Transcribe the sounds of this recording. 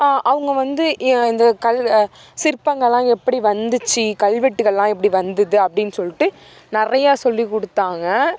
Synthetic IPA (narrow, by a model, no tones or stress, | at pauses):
aːʔɐʋɯŋɡɐʋɐnd̪ɯʔɪnd̪ɐkɐl | sɪɾpːɐŋɡɐɭːãːɛpːɐɽiʋɐnd̪ɯt͡ʃːikɐlʋɛʈːɯɣɐɭːãːɛpːɐɽiʋɐnd̪ɐðɯɐpːɐɽɪnːɯsɔlːɪʈːɯ | nɪrɐjaːsɔlːikɔɽɯt̪ːaːŋɡɐ